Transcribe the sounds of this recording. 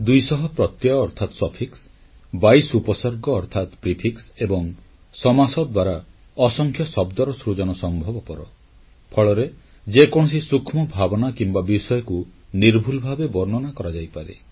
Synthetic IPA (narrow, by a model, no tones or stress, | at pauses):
d̪ujsɔɦɔpɾɔt̪jɔːɾt̪ʰat̪ɔsɔpʰiks | bajsupɔsɔɾɡɔːɾt̪ʰat̪pɾipʰiksebɔŋ | sɔmasɔd̪d̪waɾa | ɔsɔŋkʰjɔsɔbd̪ɔɾɔsɾud͡ʒɔnɔsɔmbʱɔbɔpɔɾɔ | pʰɔɭɔɾe | d͡ʒekɔɽ̃ɔsisukʰmɔbʱabɔnakimbabisɔjɔkuniɾbʱulɔbʱabebɔɾnɔnakɔɾad͡ʒajpaɾḛ